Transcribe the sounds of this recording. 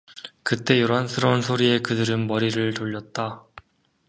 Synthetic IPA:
kɯt͈e̞joɾɦansʰɯɾʌunsʰoɾie̞kɯdɯɾɯnmʌɾiɾɯɭtoʎːʌt̚t͈a

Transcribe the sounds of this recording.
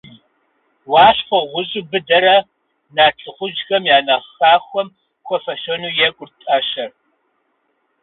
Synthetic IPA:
wɑːɕfʷɔʁʷʊʑʼɪbɨdɐɾɐ | naːt͡sʼɨχʷʊd͡ʒxɐmjaːnɐχaːxʷɔm | kʷʰɔfɐʃɐnuːjɛkʷʼʊrtʼɐʃɐr

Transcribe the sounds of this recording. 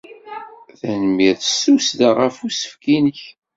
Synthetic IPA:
θænəmiθə̥susd̪aʁəfusə̥fkinəç

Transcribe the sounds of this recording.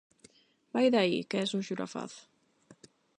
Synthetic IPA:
bajðaikɛsuʃuɾa̰fa̰θ

